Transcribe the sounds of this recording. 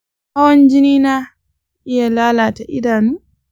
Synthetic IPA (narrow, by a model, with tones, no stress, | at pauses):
ha˦wɐ˦nd͡ʒɪ˦niː˦na˦ | ʔɪ˦ja˨laː˦laː˨ta˨ʔɪ̰˦daː˨nuː˦